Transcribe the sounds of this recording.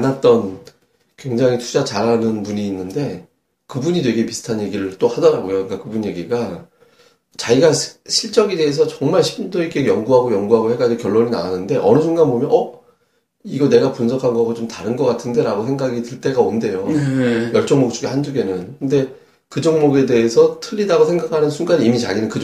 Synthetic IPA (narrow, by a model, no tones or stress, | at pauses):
anat̚t͈ʌn | kwe̞ŋd͡ʑaŋitʰu̥d͡ʑat͡ɕaɾɦanɯnpuɲiːnːɯnde̞ | kɯbuɲidweɡepisʰɯ̥tʰanje̞ɡiɾɯɭt͈ohadʌɾaɡojok͈akɯbunje̞ɡiɡa | t͡ɕaiɡaɕʰiɭt͡ɕ͈ʌɡede̞ɦes̬ʰʌt͡ɕʌŋmaɭɕʰi̥pdoik͈ʰejʌŋɡuɦaɡojʌŋɡuɦaɡohe̞ɡad͡ʑokjʌɭːoɲina̰wanɯnde̞ʔʌnɯd͡ʑuŋɡabomjʌnʔʌ | iɡʌne̞ɡapunsʰʌkʰanɡʌɡot͡ɕomtaɾɯnɡʌk͈atʰɯnde̞ɾaɡosʰe̞ŋɡaɡitɯɭt͈e̞ɡaonde̞jojʌɭt͡ɕ͈ʌŋmok̚t͡ɕ͈uɡehand͡ʑuɡe̞nɯnkʰɯnde̞ | kɯd͡ʑʌŋmoɡe̞de̞esʰʌtʰɯʎːidaɡosʰe̞ŋɡakʰanɯnsʰunɡaniimit͡ɕa̰ɡinɯnkɯ